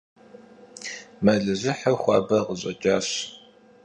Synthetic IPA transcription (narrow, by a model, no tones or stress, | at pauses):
mɐɮɨʑɪħɐxʷɑːbɐʁəʑʼɐ̰t͡ʃʼaːɕ